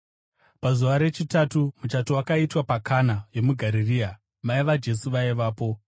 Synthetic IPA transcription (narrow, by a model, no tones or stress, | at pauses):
pazuʋaɾe̞t͡ʃitatumut͡ʃatowakaitwapakʰanajo̞muɡʱaɾiriːa | maiʋad͡ʒe̞suʋaiʋaːpo̞